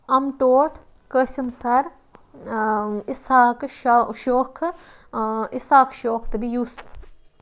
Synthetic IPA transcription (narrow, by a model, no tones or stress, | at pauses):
ɐmʈoːʈʰ | kəsimsɐɾ | isaːkʃʃoːkʰ | isaːkʃoːkʰt̪ɨbijuːs